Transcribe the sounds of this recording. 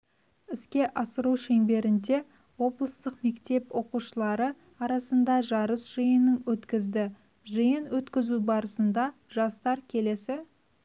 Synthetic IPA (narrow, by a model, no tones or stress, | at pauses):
ɪskʲe̞ʔɑsəɾuʃe̞ŋbe̞ɾɪnd̪e̞ | wo̞blˠəst̪əqme̞kt̪e̞pwo̞quʃəlˠɑɾə | ɑɾɑsənd̪ɑʒɑɾəsʒ̥əjənːəŋwɵt̪kʲɪzd̪ɪ | ʒəjənwɵt̪kʲɪzubɑɾəsənd̪ɑʒ̥ɑst̪ɑɾkʲʰe̞le̞sɪ